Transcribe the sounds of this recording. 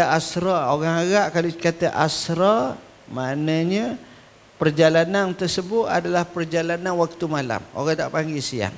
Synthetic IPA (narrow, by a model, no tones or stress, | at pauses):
aʔasɾaoɣaŋaɣaʔkalokat̪aʔasɾa | maʔnaɲə̃ | pərd͡ʒalanant̪ərsəbʊt̪a̰dalahpərd͡ʒalananwak̚t̪umala̰mo̰ɣaŋda̰ʔpaŋɡisia̰ŋ